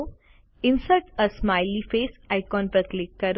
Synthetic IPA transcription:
ɪnsəlʈəsmajlifeːsaɪkɔ̃ːnpɾət̪ʰlɪkːəɾ

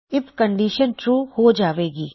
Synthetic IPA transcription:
ɪpkə̃ɳɖiːʃənʈɾuːhod͡ʒaːʋeːɡiː

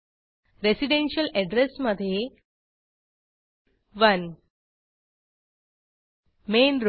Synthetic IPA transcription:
ɾesiɖenɕəlɛɖɾesməd̪ʱje | ʋən | menɾ

